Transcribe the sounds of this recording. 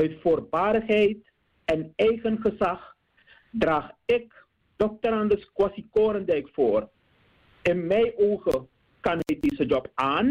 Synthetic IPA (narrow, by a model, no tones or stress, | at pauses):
œɥtfuːrbaːɾəxɦɛjt | ɛnɛjχənχəsax | draːχɪk | d̥ɔk̚təɾandəskwasikoːɾəndɛɥkfoːr | ɪnmɛjʔoːχə | kanɦɛjdeːsəd͡ʒɔpaːn